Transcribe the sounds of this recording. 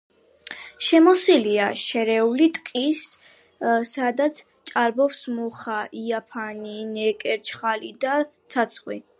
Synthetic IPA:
ʃɛmɔsiliaʃɛɾɛulit̪ʼkʼis | sad̪at̪sʰ | t͡ʃʼaɾbɔpsmɔχaʔiapʰaninɛkʼɛɾt͡ʃʰχalid̪at̪sʰat̪sʰχwḭ

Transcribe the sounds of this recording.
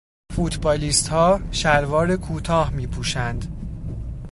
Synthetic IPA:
fut̪ʰbɒːliːst̪hɒːʃæɾvɒːɾekʰuːt̪ʰɒːhmiːpʰuːʃænd̪

